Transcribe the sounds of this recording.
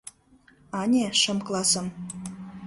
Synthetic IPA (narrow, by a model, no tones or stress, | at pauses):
ɑnʲeʃɤ̆mklˠɑsɤ̆m